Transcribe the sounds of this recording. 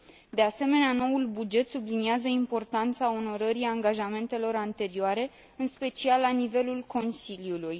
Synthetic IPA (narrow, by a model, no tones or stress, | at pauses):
d̪e̞ase̞me̞neano̞ulbud͡ʒe̞t̪subliniazəimpo̞rt̪ant̪sao̞no̞ɾəɾiaŋɡaʒame̞nt̪e̞lo̞ɾant̪e̞ɾioaɾe̞ | ɨnspe̞t͡ʃialːanive̞lulko̞nsiljuluj